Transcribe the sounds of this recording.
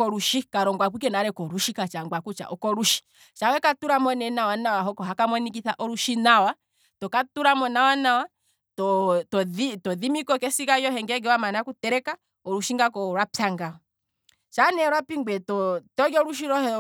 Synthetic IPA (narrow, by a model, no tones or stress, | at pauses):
kɔɾuʃikaɾɔŋɡwak̬ik̬ɛnaɾɛkɔɾuʃikat͡ʃaŋɡwakut͡ʃa̰ʔɔkɔɾuʃi̥ | t͡ʃawɛkatuɾamɔnɛnawanawaɦɔkɔɦakamɔnik̬iθaʔɔɾuʃinawa | tɔkatuɾamɔnawanawa | tɔtɔðitɔðimikɔkɛsikajɔɦɛŋɡɛɡɛwamanaakutɛɾɛka | ɔɾuʃiŋɡakɔɾwapjaŋɡaɔ | ʃanɛɾwapiŋɡwɛtɔtɔɡɔɾuʃ̬iɾɔhɛ